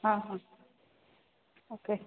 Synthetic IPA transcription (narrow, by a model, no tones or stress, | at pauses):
hãɦã | oke